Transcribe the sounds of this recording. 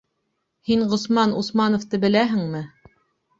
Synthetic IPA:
hiɴʁŏsmɑnusmɑnŏft̪ɤbɘ̆læɦɘ̆ŋmɘ

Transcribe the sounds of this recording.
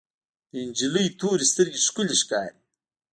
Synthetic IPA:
nʲd͡ʒilijt̪ʰuːɾist̪əɾɡiʃkuliʃkaːjt̪

